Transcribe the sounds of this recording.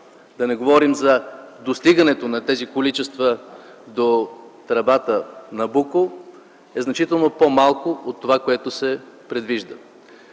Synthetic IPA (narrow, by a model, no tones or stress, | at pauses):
d̪ɐnɛɡovɔɾimzɐd̪ost̪iɡənɛt̪onɐt̪ɛzikolit͡ʃɛst̪vəd̪ot̪ɾɐbat̪ənɐbuko | ɛznɐt͡ʃit̪ɛlˠnopomalˠkoot̪ːovakoɛt̪osɛpɾɛd̪viʒd̪ə